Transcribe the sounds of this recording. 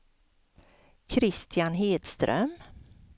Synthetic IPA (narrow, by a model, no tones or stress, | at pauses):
kʰɾɪst̪janɦeːd̪st̪ɾœ̰m